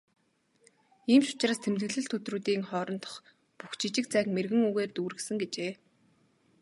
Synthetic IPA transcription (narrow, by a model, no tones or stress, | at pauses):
iːmʃʊ̥t͡ɕraːst̪ʰemt̪ɡɘ̆ɣɮɘ̆ɬt̪ʰɵt̪ruːt̪iːŋχɔːɾɞ̆nt̪ɞ̥̆χ | puxt͡ɕʰit͡ɕɪ̆k̚t͡sæːkmerɣɘ̆ŋuɣeːrt̪uːɾɘ̆ksɘ̆ŋɡet͡ɕeː